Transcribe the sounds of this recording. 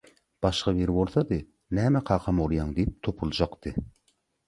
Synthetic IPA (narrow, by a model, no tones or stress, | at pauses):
b̥ɑʃqɑveɾwolˠsɑd̪ɨ | næmɛqʰɑːqʰɑmolˠjɑŋd̪ep̚t̪ʰopʰulˠd͡ʒɑqt̪ɨ